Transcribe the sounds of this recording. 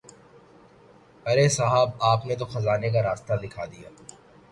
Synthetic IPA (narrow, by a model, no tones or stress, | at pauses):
pɐɾesaɦaːbaːpnet̪̬oxɐzaːnek̬aɾaːst̪ad̪ɪkʰaːd̪ija̰ː